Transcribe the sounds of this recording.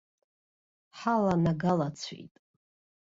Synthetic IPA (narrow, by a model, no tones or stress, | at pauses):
ħalanaɡalat͡sʰḭjtʼ